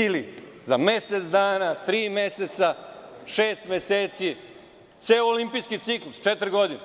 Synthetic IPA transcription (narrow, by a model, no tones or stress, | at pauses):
ilizameset̪sd̪aːnat̪ɾiːmeset̪saʃeːst̪meseːt̪si | t̪seːoolimpiskit̪siklust͡ʃet̪ɾɡo̞d̪ine